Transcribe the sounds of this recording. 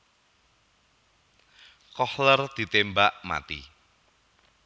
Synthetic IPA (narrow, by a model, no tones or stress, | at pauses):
kɔhlərd̪̥i̤t̪embaʔma̰t̪ḭ